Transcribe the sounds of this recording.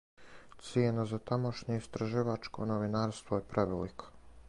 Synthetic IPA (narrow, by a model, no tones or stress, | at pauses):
t̪sienazat̪amo̞ʃɲeist̪ɾaʒiʋat͡ʃko̞̰noʋinaːɾst̪ʋojepɾʔeʋelikʰo̥